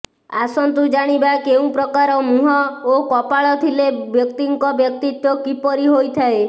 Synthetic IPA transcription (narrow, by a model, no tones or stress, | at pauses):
asɔnt̪ud͡ʒaɽ̃ibakeũpɾɔkaɾɔmuɦɔokɔpaɭɔt̪ʰilebjɔkt̪iŋkɔbjɔk̚t̪it̪jɔkipɔɾiɦojt̪ʰae